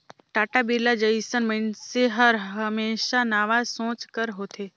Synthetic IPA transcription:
ʈaːʈabiɾlad͡ʒəisənmənseɦəɾɦəmeːʃanaːʋasõːt͡ʃkəɾɦoːt̪ʰeː

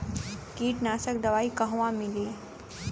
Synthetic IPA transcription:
kiːʈnaːsəkd̪ɐʋaːikɐɦʋãmɪliː

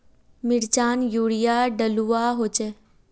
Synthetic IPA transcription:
mɪɽt͡ʃaːnjuːɽijaɖəluwaːɦoːt͡ʃe

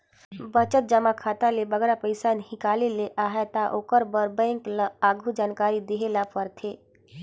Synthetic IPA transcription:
bət͡ʃət̪̚d͡ʒəmakʰaːt̪alebəɡɾapəɪsanhɪkaːleleʔaːɦɛt̪aʔoːkəɾbəɾbɛ̃ɪŋklaːɡʱud͡ʒaːnkaːɾid̪eɦelapəɾt̪ʰeː

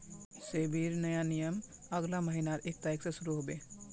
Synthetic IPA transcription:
sebʱiɾnəjanijəm | əɡlaməɦinaɾʔek̚t̪ajksə̃suɾuɦobe

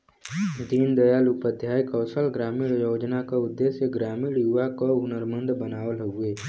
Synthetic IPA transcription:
d̪iːnd̪əjalʊpəd̪ʱjaːjkɔːsəlɡɾaːmiːɽjoːd͡ʒnakaʊd̪ːesjəɡɾaːmiːɽjuʋakoʊnəɾmənd̪bənaːwəlɦueː

